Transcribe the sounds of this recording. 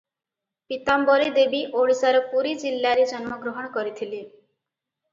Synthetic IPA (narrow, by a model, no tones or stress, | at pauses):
pit̪ambɔɾid̪ebiʔoɽsaɾɔpuɾid͡ʒilːaɾed͡ʒɔnmɔɡɾɔɦɔɽ̃ɔkɔɾit̪ʰile